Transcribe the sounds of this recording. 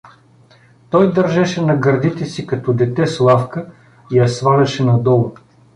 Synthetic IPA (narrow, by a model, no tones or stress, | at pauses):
t̪ɔjd̪ɐɾʒɛʃɛnɐɡɐɾd̪it̪ɛsikɐt̪ɔd̪ɛt̪ɛslˠafkə | ijɐsvalʲɛʃɛnɐd̪ɔlˠə